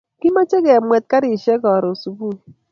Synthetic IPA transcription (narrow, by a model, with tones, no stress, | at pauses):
ki˦ma˦t͡ʃe˦kɛ˨mʷwɛ˨t̚ka˦ɾi˨ʃe˦kɔ˨ɾo˨su˨bu˦˨